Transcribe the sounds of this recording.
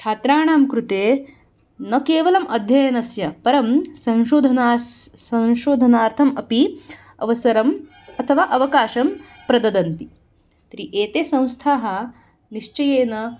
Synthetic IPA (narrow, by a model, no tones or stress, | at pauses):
t͡ʃʰaːt̪ɾaːɳaːmkɾut̪eː | nɐkeːʋɐlɐmɐd̪ʱjɐjɐnɐsjɐpɐɾɐmsɐ̃w̃ʃoːd̪ʱɐnaːsɐ̃w̃ʃoːd̪ʱɐnaːɾt̪ʰɐmɐpi | ɐ̰ʋɐsɐɾɐm | ɐt̪ʰɐʋaːʔɐʋɐkaːʃɐm | pɾɐd̪ɐd̪ɐnt̪i | t̪ɾiʔeːt̪eːsɐ̃w̃st̪ʰaːɦɐ̆ | niʂt͡ʃɐjeːnɐ